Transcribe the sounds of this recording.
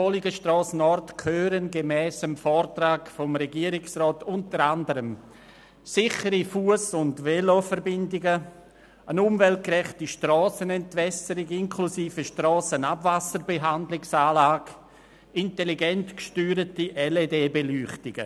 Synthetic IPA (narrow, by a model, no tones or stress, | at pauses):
ɔliɡəʃtrɔːsən̩ɔɾtkʰhøːɾənɡemɛːsəmfɔːɾtɾaːɡfɔmɾɛɡiːəɾɪksrɔːtʊntəɾandəɾəm | sɪχəɾifuəsʊndvelofəɾbɪndɪɡə | ənʊmvɛlt̚kɾɛχtiʃtrɔːsənɛntvɛsəɾiɡɪŋkʰlusiːfəʃtɾɔːsənabvasəɾbeɦandlɪksaːlaːɡ̥ | ɪnteliɡɛntkʃtyːɾətiʔɛledeːbelyːχtɪɡə̰